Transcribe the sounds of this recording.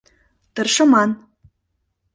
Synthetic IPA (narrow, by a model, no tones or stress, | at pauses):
t̪ɤ̆rʃɤ̆mɑn